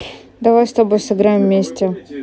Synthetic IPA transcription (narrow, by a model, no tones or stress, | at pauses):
d̪ɐvajst̪ɐbo̞jsɨɡɾajʲɪmvmʲːesʲtʲɪ